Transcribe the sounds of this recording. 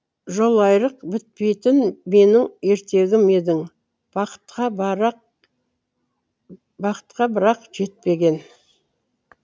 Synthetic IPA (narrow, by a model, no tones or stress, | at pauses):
ʒo̞lˠɑjɾəqbɪt̪̚pe̞jt̪ɪnme̞nɪŋe̞ɾt̪e̞ɡʲɪme̞d̪ɪŋ | qt̪qɑ | bɑqə̥t̪qɑbɪɾɑqʒe̞t̪̚pe̞ɡʲe̞n